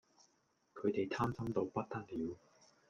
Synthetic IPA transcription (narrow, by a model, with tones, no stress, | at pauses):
kʰɵ˨˧ɥt̪e˨jt̪ʰaː˥msɐ˥mt̪o˧wpɐ˥t̚t̪ɐ˥t̚liː˨˧w